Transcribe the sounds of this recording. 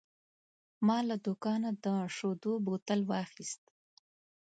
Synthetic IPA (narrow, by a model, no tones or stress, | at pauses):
mɑlad̪ukɑnad̪əʂod̪obot̪əlwɑxist̪